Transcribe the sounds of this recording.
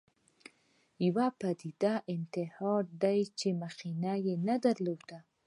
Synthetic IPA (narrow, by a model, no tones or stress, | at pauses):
jawapad̪id̪aʔɪnt̪ɪhɑd̪ajt͡ʃemaxinajenad̪aɾlod̪a